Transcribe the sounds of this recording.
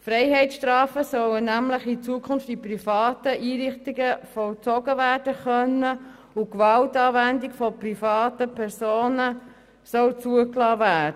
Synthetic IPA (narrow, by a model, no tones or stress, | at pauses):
frɛɪhɛɪtsʃtɾɑːfəsœwənæmləχit͡suəkʰʊnftiprifɑːtəʔiːɾɪχtiɡəfɔlt͡sɔɡ̥əvæːɾd̥əχœnːə | ukʋɑltɑːvændikfɔprifɑːtəpʰɛɾsoːnə | sœwt͡suəklɑːvæːdə